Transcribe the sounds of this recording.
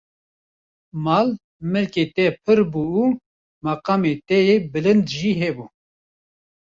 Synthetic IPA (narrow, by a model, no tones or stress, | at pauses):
mɑːl | mɨlket̪ɛpʰɨɾbuː | mɑqɑːmet̪ɛjebɨlɨnd̪ʒiːɦɛbuː